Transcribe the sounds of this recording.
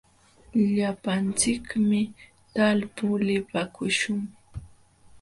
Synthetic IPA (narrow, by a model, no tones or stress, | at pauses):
ʎapant͡sɪkmɪ | t̪alpʊlɪpakʊʃʊŋ